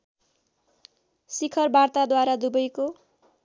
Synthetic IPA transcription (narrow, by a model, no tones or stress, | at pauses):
sikʰʌrbart̪ad̪waɾad̪ubʌjko